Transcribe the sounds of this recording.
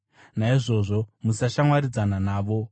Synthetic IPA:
naiʐo̞ʐo̞musaʃamwaɾid͡zananaːʋo̞

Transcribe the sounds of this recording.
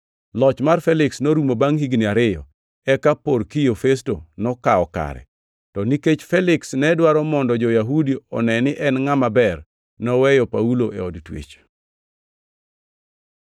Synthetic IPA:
lɔt͡ʃmarfɛlɪksnoɾumobaŋhiɡnɪaɾɪjɔ̰ | ɛkaporkijofestonɔkaɔka̰ɾɛ̰ | tɔniket͡ʃfɛlɪksnɛdwaɾɔmɔndɔd͡ʒɔjaɦudioɔ̰nɛnɪʔɛnŋamabɛr | nɔwɛjɔpauloʔɛɔdtwḛt͡ʃ

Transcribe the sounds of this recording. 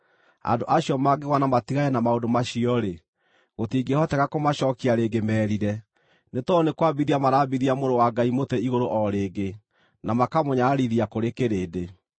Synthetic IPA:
a̰ndoʔaɕijɔmaɡeɣwanamatiɣaɛnamaodomaɕiɔɾe | ɣotiːɡehɔtɛɣakomaɕɔkiaɾeːɡemɛːɾiɾɛ | netɔnekwabiðiamaɾaːbiðiamoɾowaɡaimotɛiɣoɾoʔɔɾeːɡe | namakamoɲaːɾiðiakoɾekeɾeːde

